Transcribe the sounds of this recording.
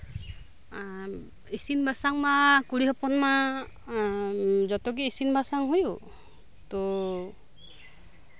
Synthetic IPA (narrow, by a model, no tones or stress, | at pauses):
isinbasaŋmakuɽiɦɔpɔnma | d͡ʒɔt̪ɔk̬iisinbasaŋɦuju | t̪ɔ